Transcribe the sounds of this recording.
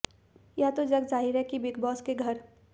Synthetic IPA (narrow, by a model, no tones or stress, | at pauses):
jat̪od͡ʒɐɡd͡ʒaːɦɪɾɦɛkibɪkbɔːskeɡʱɐɾ